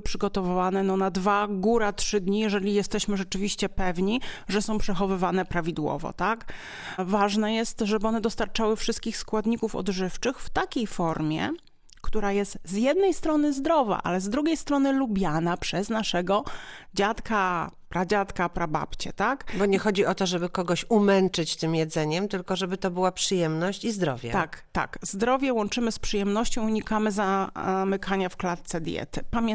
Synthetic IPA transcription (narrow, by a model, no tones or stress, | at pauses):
pʂɘɡɔt̪ɔvɘvanɛnɔnad̪vaɡuɾatʂɘd̪ɲijɛʐɛlʲijɛst̪ɛɕmɘʐɛt͡ʂɘvʲiɕt͡ɕɛpɛvɲiʐɛsɔ̃w̃pʂɛxɔvɘvanɛpɾavʲid̪wɔ̰vɔ̰t̪ak | vaʐnɛjɛst̪ʐɛbɘɔnɛd̪ɔst̪aɾt͡ʂawɘfʂɨst̪̚kʲixskwad̪ɲikufɔ̰d̪ʐɘft͡ʂɘxft̪akʲejfɔɾmʲjɛ̰ | kt̪uɾajɛst̪zjɛd̪nɛjst̪ɾɔnɘzd̪ɾɔva̰ʔa̰lɛzd̪ɾuɡʲejst̪ɾɔnɘlubʲjanapʂɛznaʂɛɡɔd͡ʑat̪kapɾad͡ʑat̪kapɾaba̰pt͡ɕɛ̰t̪akbɔɲɛxɔd͡ʑiʔɔt̪ɔʐɛbɘkɔɡɔɕumɛnt͡ʂɘt͡ɕt̪ɘmjɛd̪zɛɲɛmt̪ɘlkɔʐɛbɘt̪ɔbɘwapʂɘjɛmnɔɕt͡ɕizd̪ɾɔvʲjɛ̰t̪akt̪a̰kzd̪ɾɔvʲjɛwɔnt͡ʂɘmɘspʂɨjɛmnɔɕt͡ɕɔ̃w̃uɲikamɘzamɘkʰaɲafklat̪̚t̪sɛd̪ʲjɛ̰t̪ɘpamʲɛ